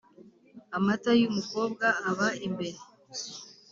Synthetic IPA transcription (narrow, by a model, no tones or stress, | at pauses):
amatajumuko̞ːb̚ɡaːβaimbe̞ɾe